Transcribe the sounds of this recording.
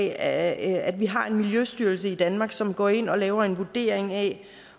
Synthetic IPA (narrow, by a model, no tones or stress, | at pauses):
æd̥ʋiɦɑ̈e̝nmiljøsd̥yɐlsəid̥ænmɑ̈ːɡ̥sɒ̽mɡ̥ɒ̰ːe̝n̰ɒ̽lɛːʊɐe̝nʋud̥e̝̰ːɐeŋɛ